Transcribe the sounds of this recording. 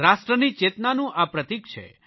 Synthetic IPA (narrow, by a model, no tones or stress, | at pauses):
ɾasʈɾənit͡ʃet̪nanũʔapɾət̪ik̚t͡ʃʰḛ